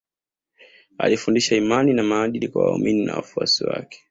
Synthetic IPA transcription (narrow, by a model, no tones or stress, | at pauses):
a̰lifundiʃaimaninamaːɗilikwawaumininawafuasiwa̰kɛ̥